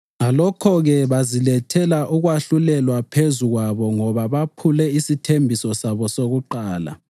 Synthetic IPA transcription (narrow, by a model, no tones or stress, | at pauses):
ŋalɔkʰɔɣɛβazilɛtʰɛlaʔuɣwaɬulɛlwapʰezuɣwaβɔŋɔβaβapʰulɛisitʰembʱisɔsaβɔsoɣuǃaːla̰